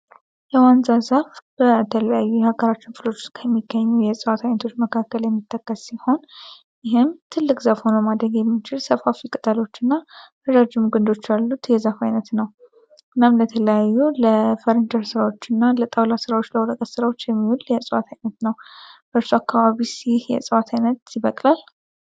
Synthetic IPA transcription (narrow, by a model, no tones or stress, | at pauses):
jɛwanzazafb̥ət̪ʰələjajːujhaɡəɾat͡ʃːɪnfɨlot͡ʃːoskʰəmːiɡəɲːujɛsʼɨwat̪ʰajnət̪ʰo̞t͡ʃːməkʰakːəljɛmːit̪ʰːəkːəssiho̞n | jɪɦɪmt̪ʰɨlːɨkʼzafho̞nəmad̪ɾəɡjɛmːit͡ʃɪlsəfhafikʼɨt̪ʼəlo̞t͡ʃːɨnːafəɾad͡ʒɪmɡɨnd̪o̞t͡ʃːjalːut̪jɛzafajnət̪nəw | ɨnamlət̪ʰələjajːuləfəɾɨnd̪əɾsɨɾawo̞t͡ʃːɪnːalət̪ʼawlasɨɾawot͡ʃːləwoləkʼət̪sɨɾawo̞t͡ʃːjɛmːiwuljɛsʼəwat̪ʰajnət̪nəwb̥əɾsuakːaβaβisjɪhjɛ̰sʼɨwat̪ʰajnət̪siβəkʼlal